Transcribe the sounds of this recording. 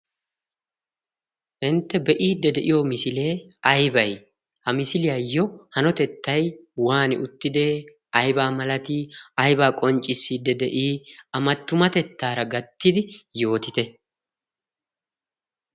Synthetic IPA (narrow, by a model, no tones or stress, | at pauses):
ʔɪnt̪ːɛbɛʔiːd̪ːɛd̪ɛʔɪjɔmɪsɪle̞ːɐjbɐj | hɐmɪsɪlɪjajːɔhɐnɔt̪ɛt̪ːɐjwaːnɪʔʊt̪ːɪd̪eː | ɐjbaːmɐlɐt̪iːɐjbaːkʼɔnt͡ʃʼːɪsːiːd̪ːɛd̪ɛʔiːɐmɐt̪ːʊmɐt̪ɛt̪ːaːɾɐɡɐt̪ːɪd̪ɪjo̞ːt̪ɪt̪ɛ